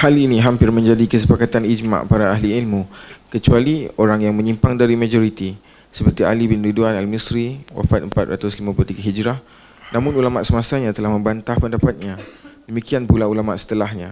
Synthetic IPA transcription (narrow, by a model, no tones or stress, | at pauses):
haliniɦampɪrmə̃ɲd͡ʒadikəsəpakat̪anid͡ʒmã̰ʔpaɾaːɦliilmũkət͡ʃualioɾaŋjaŋmə̃ɲimpaŋdaɾimãd͡ʒoɾit̪i | səpərt̪ialibɪnɾiduanalmisɾiwa̰fat̪̚əmpat̪̚ɾat̪ʊslimãpulot̪iɡaɦid͡ʒɾah | nãmʊ̃nulamaʔsəmasaɲãt̪əlahmə̃mbant̪ahpəndapat̪̚ɲãdəmikianpulaulamaʔsə̥t̪əlahɲã